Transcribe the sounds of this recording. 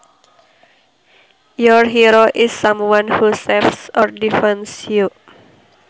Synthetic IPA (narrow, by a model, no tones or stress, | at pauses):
jɔɹɦiɾoʔisːãmwãnhusɛfsɔɹdifɛ̃nsju